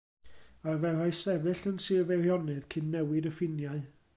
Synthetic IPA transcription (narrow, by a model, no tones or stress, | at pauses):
avɛraɨsɛvɨɬənsɨvɛrjɔnɨðkʰɪnːɛwɪdəfɪnjaɨ